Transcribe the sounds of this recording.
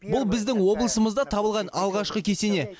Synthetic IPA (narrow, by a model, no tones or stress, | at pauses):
bʊlˠbɪzd̪ɪŋwo̞blˠəsəməzd̪ɑt̪ʰɑbəlˠʁɑnɑlˠʁɑʃqəkʲʰe̞se̞ne̞